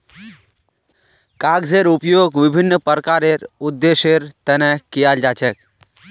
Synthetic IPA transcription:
kaːɡzeːɾʊpjoːɡʋɪbʱɪnːəpəɾkaːɾeɾʊd̪ːeːʃeɾt̪ɛnɛkijaːld͡ʒaːt͡ʃɛk

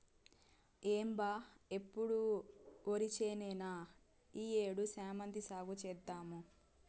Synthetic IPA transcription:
eːmbaːe̞pːuɽuoɾit͡ʃeːnɛːna | iːeːɽusaːmɐnd̪isaːɡut͡ʃɛːd̪ːaːmu

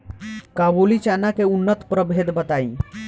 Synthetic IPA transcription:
kabulit͡ʃanakeunːət̪pɾəbʱed̪bət̪aĩ

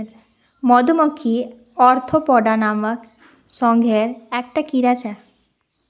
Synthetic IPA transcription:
ɾ | mɔd̪omokʰːi | ɔɾt̪ʰopɔɖanamək | ʃɔŋɡʱeɾɛkʈakiɾat͡ɕa

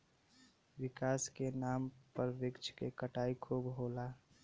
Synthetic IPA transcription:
ʋɪkaːskenaːmpəɾʋɪkt͡ʃʰkekəʈaːikʰuːbɦoːlaː

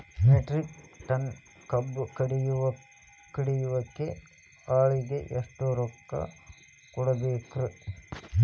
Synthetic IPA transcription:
meʈɾikʈɐn | kɐbːukɐɽijuʋɐ | kiɽijuʋɐkːe | aːɭiɡeʔeʂʈoɾɔkːɐ̰ | kɔɽɐbeːkɾu

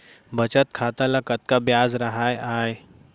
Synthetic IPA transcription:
bɐt͡ʃət̪̚kʰaːt̪alakət̪̚kabjaːzɾɐɦajaːe

